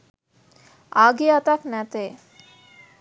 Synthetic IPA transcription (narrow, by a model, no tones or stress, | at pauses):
aɡiat̪aknæt̪e